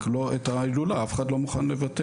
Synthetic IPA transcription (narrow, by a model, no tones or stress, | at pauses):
kloetailulaafe̥χadlo̞muχanle̞vate